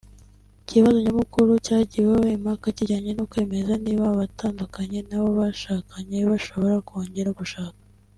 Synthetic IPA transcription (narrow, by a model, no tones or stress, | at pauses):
ciβazo̞ɲamukuɾucaːɟiwaβimhakaciɟaːɲenokwe̞ːme̞zaniβaβatʰaːndukaɲe̞naβo̞βaʃaːkʰaɲe̞βaʃo̞βo̞ɾakoːɲɟe̞ɾaɡuʃaːkḁ